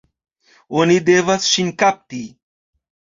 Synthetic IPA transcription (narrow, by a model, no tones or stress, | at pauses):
onid̪eʋat͡sɕinkap̚t̪i